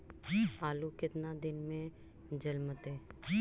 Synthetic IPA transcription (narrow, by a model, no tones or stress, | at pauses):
aːlukɪt̪nad̪ɪnmẽd͡ʒəlmət̪eː